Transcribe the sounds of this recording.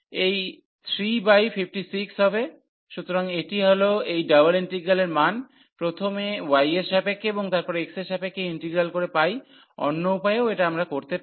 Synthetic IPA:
ej | t̪ʰɾibajfʰifʰʈisiksɦɔbe | ʃut̪oɾaŋeʈiɦoloejɖawaliɳʈiɡɾaleɾman | pɾot̪ʰomewajesʃapekːeboŋt̪aɾpɔɾeekseʃapekːeiɳʈeɡɾalkoɾepaj | ɔ̰nːoupajeoeʈaamɾakoɾt̪e

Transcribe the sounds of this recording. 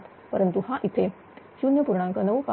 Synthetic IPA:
t̪ | pəɾənt̪uhãʔit̪ʰe | ɕunjəpuɾɳãŋkənəʋka

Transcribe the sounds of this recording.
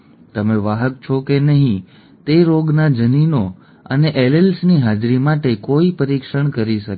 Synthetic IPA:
t̪əmeʋaɦək̚t͡ʃʰokenəɦĩ | t̪eɾoɡnad͡ʒənino | ə̰neʔelelsniɦad͡ʒɾimaʈekoipəɾikʃəɳkəɾiʃək

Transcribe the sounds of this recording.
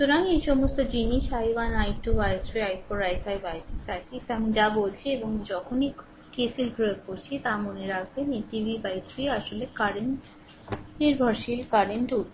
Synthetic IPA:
ʃuɾanejʃɔmost̪od͡ʑiniʃajbanajʈubajsɾiajpoɾajsajbajsisakisamid͡ʑabolt͡ɕʰieboŋd͡ʑɔkʰoni | kesilɡʱɾoekoɾt͡ɕʰit̪amoneɾak̚ʰbeneʈibʱibajsɾiaʃolekaɾeɳʈ | iɾbʱɔɾʃilkaɾeɳʈuʈ

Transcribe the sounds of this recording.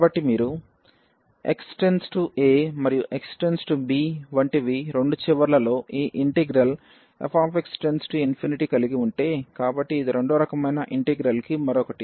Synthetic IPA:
bɐʈːimiːɾu | ḛksʈe̞nsʈuʔemɐɾijuʔe̞ksʈensʈubiːʋɐɳʈiʋiɾe̞ɳɖut͡ʃiʋɐɾlɐlo̞ːʔiːʔiɳʈeɡɾɐl | ḛpʰaːpeksʈensʈuinpʰiniʈikɐliɡiuɳʈe̞ːkaːbɐʈːiːd̪iɾe̞ɳɖoːɾɐkɐmɐjnɐʔiɳʈeɡɾɐlkimɐɾɔkɐʈi

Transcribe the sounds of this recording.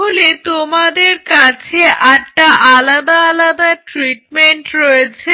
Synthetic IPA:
olet̪omad̪eɾkat͡ɕʰeʔaʈʈaʔalad̪aalad̪aʈɾiʈmeɳʈɾojet͡ɕʰe

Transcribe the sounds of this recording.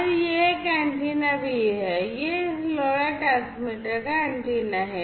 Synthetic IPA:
ɾjekaɳʈinabʱiɦɛjeloɽaʈasmiʈəɾkaɐɳʈinaɦɛ

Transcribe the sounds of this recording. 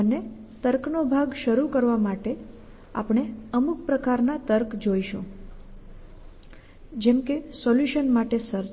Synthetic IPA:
əne | t̪əɾknobʱaɡʃəɾukəɾʋamaʈe | a̰pɳ̃eəmuk̚pɾəkaɾnat̪əɾkd͡ʒoiʃõ | d͡ʒɛmkesɔljuʃənmaʈesəɾ

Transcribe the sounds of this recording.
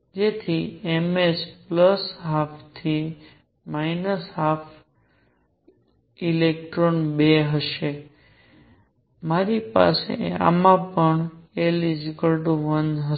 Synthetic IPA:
d͡ʒet̪ʰiemespləsɦapʰt̪ʰi | mainəsɦapʰ | ilek̚ʈɾonbeɦəʃe | maɾipa̰sḛa̰mãpəɳelid͡ʒikəlɖoʋənɦə

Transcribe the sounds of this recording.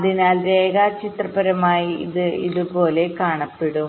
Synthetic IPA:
ɐðinaːlɾeːɡaːt͡ɕit̪rɐpɐɾɐmaːjiiðɨiðupo̞ːle̞kaːɳɐpːeɽum

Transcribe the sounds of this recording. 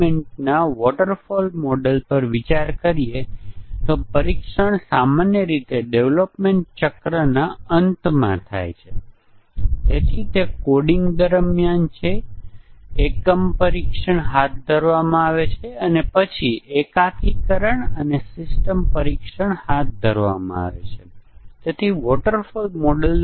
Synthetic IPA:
meɳʈ̚naʋɔʈəɾfolmɔɖelpəɾʋit͡ʃaɾkəɾiet̪opəɾikʂəɳ̃samanjəɾit̪eɖeʋlopmeɳʈ̚t͡ʃəkɾanaənt̪mã̰t̪ʰa̰jt͡ʃʰe | et̪ʰit̪ekoɽiŋɡd̪əɾmjant͡ʃʰe | ekːəmpəɾikʂəɳɦat̪̚d̪ʱəɾʋamãaʋet͡ʃʰeənepət͡ʃʰiʔekakʰikəɾəɳənesɪsʈəmpəɾikʂəɳhat̪̚d̪ʱəɾʋa̰mã̰a̰ʋḛt͡ʃʰet̪et̪ʰiʋɔʈəɾfulmɔɖəl

